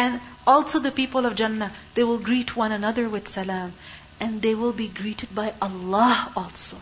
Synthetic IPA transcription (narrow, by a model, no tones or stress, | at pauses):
ɨ̃nɔlˠsoʊðəpipəl̩ˠʌvd͡ʒãnːəðeɪwɪlˠɡɹitʰwʌ̃ñənʌðə˞wɨð̥sɨlãm | ɛ̃nðeɪwɪlˠbiɡɹiɾɨd̚baɪʔəlːɑhɔlˠso